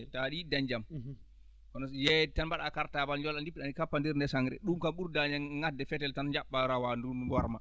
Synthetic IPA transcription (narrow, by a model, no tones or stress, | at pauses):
taɗidaɲd͡ʒam | kɔnɔjɛtanbaɗakaɾtabalɲd͡ʒɔlandipːiɗanikapːandiɾndɛsaŋɾɛ̰ɗumkamɓuɾdaɲaŋadːɛfɛtɛltanɲd͡ʒaɓːaɾawanduaɾma̰